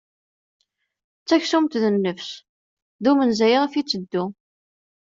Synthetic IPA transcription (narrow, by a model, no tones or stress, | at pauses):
t͡sːæçsumt̪ðənːəfs | ðumənzæjʁfit͡sːəd̪ːu